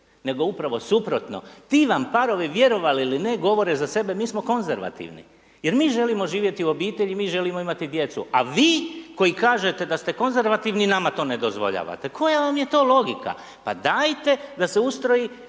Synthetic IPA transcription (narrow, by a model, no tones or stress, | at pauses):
ne̞ɡo̞upɾaʋo̞supɾo̞t̪no̰t̪iʋampaɾo̞ʋiʋje̞ɾo̞ʋaliiline̞ɡo̞ʋo̞ɾezase̞be̞miːsmo̞ko̞nzeɾʋa̰t̪ḭʋnḭ | jeɾmiːʒe̞limo̞ʒiːʋje̞t̪iuo̞biːt̪e̞ʎimiːʒe̞limo̞imat̪id̪je̞t̪sṵaʋiːko̞jikaːʒe̞t̪e̞d̪ast̪eko̞nze̞ɾʋat̪iʋninamat̪o̞ːne̞d̪o̞zʋo̞̰ʎa̰ːʋa̰t̪e̞kʰo̞jaʋamjet̪o̞ːlo̞ɡika̰ | pad̪aːjt̪e̞d̪ase̞ust̪ɾo̞ji